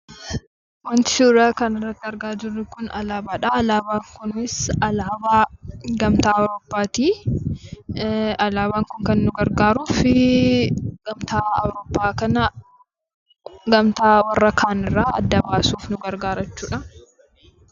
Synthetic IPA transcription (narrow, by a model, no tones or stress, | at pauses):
wɐnt̪ɪ̥suːɾaːkɐnɪrːɐt̪ːɪɐɾɡaːd͡ʒɪrːɪkʊnɐlaːbaːᶑɐːlaːbaːŋkʊnɪsɐlaːbaːɡɐmt̪aːɐwɾoːpːaːt̪iː | ɐlaːβaːŋkʊŋkɐnːʊɡɐɾɡaːɾuːfɪ | ɡ̥ɐmt̪aːɐ̰wɾoːpːaːkɐnɐ | ɡɐmt̪aːwɐrːɐkʰaːnɪrːaːɐ̰d̪ːɐbaːsuːfnʊɡɐɾɡaːɾɐt͡ʃːuːᶑɐ